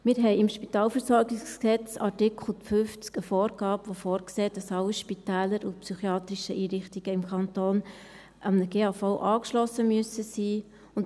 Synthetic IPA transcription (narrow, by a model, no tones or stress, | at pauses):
mɪːɾɦɛɪɪmʃpitɑːlfəɾsɔɾɡɪsksɛt͡sɑɾtɪkʰl̩ˠfʏft͡skəfɔːɾɡɑːbʋofɔːɾkseːd̥ɑsɑlːiʃpitɛːləɾʊpsyχiɑːt̪ɾɪʃəʔiːɾɪχtiɡ̥əɪmkʰɑntoːn | ʔɑmnəɡ̥eːɑːfoʊʔɑːkʃlɔsəmyəsəsiː | ʊn